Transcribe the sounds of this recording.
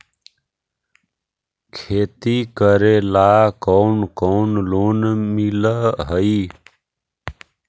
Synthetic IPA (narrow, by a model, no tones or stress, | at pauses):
kʰeːt̪iːkəɾeːlaːkonkoːnloːnmiləɦəiː